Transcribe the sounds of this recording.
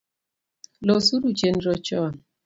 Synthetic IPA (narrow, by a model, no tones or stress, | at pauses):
lɔsuɾut͡ʃenɾɔt͡ʃɔn